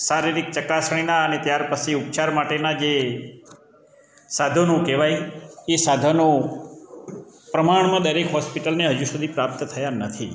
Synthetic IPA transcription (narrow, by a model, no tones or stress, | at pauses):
saɾiɾik̚t͡ʃəkasɳ̃inaənet̪jaɾpəsʰiup̚t͡ʃaɾmaʈenad͡ʒe | sad̪ʱonũkeʋajesad̪ʱonõ | pɾəmaɳ̃mãd̪əɾekɦɔspiʈəlneɦəd͡ʒusud̪ʱipɾap̚t̪t̪ʰəjanət̪ʰi